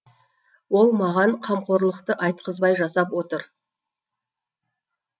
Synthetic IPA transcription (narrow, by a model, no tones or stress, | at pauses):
wo̞lˠmɑʁɑɴqʰɑmqʰo̞ɾlˠəqt̪əʔɑjt̪̚qʰəzbɑjʒɑsɑpwo̞t̪əɾ